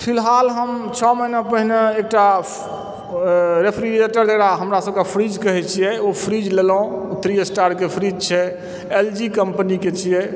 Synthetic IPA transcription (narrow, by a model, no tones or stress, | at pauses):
pʰilɦalɦəmt͡ʃʰɔməinapəɦneek̚ʈa | ɾepʰɾieʈəɾd̪əɾaɦəmɾasəbkepʰɾid͡ʒkəɦɛt͡ʃʰijɛopʰɾid͡ʒlelɦõut̪ɾiesʈaɾkepʰɾid͡ʒt͡ʃʰɛ | eld͡ʒikəmpəniket͡ʃʰijɛ